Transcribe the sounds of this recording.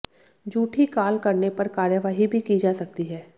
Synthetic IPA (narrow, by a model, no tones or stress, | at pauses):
d͡ʒuːʈʰikaːlkɐɾnepɐɾkaːɾjəʋaːɦibʱikid͡ʒaːsɐk̚t̪iɦɛː